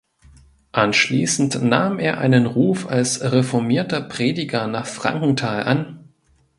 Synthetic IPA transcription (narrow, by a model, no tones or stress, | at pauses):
ʔanʃliːsn̩tnaːmeːɐʔa̰ɪnənʁuːfa̰lsʁefɔɐmiːɐtɐpʁ̥eːdɪɡɐnaːχfʁ̥a̰ŋkŋ̩tʰaːlʔan